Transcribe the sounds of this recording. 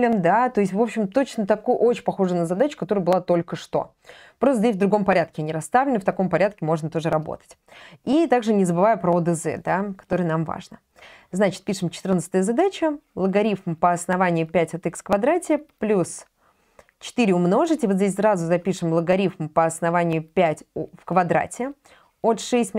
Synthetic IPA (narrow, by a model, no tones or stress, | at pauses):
lʲɪmd̪at̪o̞ɪsʲt̪ʲvo̞pɕːɪmt̪o̞t͡ɕnət̪ɐkuʔo̞t͡ɕɪpɐxo̞ʐənəzɐd̪at͡ɕʊ̥kɐt̪o̞ɾəjəbɨlˠat̪o̞lʲkəʂt̪o̞̰ | pɾost̪əzdʲesʲvd̪ɾʊɡo̞mpɐɾʲat̪̚kʲɪanʲɪɾɐst̪avlʲɪnft̪ɐko̞mpɐɾʲat̪̚kʲɪmo̞ʐnət̪o̞ʐɨɾɐbo̰t̪ə̥tʲit̪aɡʐɨnʲɪzəbɨvajʊpɾəod̪ɛzɛ̰d̪akɐ̥t̪o̞ɾɨjənamva̰ʐnə | znat͡ɕɪt̪̚pʲiʂɨmt͡ɕɪt̪ɨrnt̪sət̪əjəzad̪at͡ɕəlˠəɡɐɾʲifmpəɐsnɐvanʲɪjʊpʲætʲɐt̪ɛkskvɐd̪ɾatʲɪplʲus | t͡ɕɪ̥t̪iɾʲɪʊmno̞ʐɨtʲɪvozʲes̬ʲsɾazʊzɐpʲiʂɨmlˠəɡɐɾʲifmpəɐsnɐvanʲɪjʊpʲætʲfkvɐd̪ɾa̰tʲɪ | o̞t̪ʂɛsʲtʲ